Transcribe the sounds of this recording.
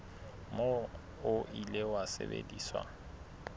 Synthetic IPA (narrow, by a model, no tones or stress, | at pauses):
mo | ʊʔilewasḛbḛdiːswa̰